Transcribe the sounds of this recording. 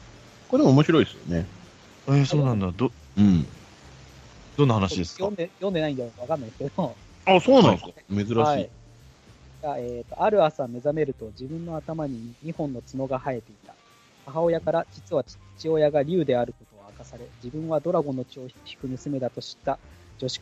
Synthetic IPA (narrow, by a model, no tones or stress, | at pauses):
koɾemoːmo̞ɕiɾo̞isɨjo̰ne | eso̞ːnãnd̪ad̪o | ɯ̟̃ɴ | d̪̥o̞nːahanaɕid̪e̞sjõnd̪ejõnd̪e̞naĩnd̪aokaβakãnːaiske̞d̪o | asoːnãñskame̞zɨɾaɕai | ɡaeːt̪ːo̞ʔaɾɯ̟asame̞zame̞ɾɯ̟t̪o̞d͡ʑibɯ̟̃nːo̞at̪amaɲ̟iɲ̟ihõ̞nːo̞t͡sɨno̞ɡahae̞t̪e̞it̪a | haɦao̞jakaɾat͡ɕi̥t͡sɨβat͡ɕi̥t͡ɕio̞jaɡaɾʲɯːd̪e̞aɾɯ̟ko̞t̪o̞akasaɾe̞d͡ʑibɯ̟̃ɰ̃βad̪o̞ɾaɡo̞no̞t͡ɕoːçi̥kɯ̟mɯ̟sɨme̞d̪at̪o̞ɕi̥t̪ːad͡ʑo̞ɕi̥k